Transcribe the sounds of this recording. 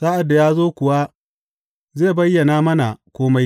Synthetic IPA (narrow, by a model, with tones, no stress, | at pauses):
saː˦ʔa˨dːa˨jaː˦zoː˦kʷʊ˨wa˦ | zeː˦˨bɐ˦jːɐ˨naː˦mɐ˦na˨kʷoː˦ma˦j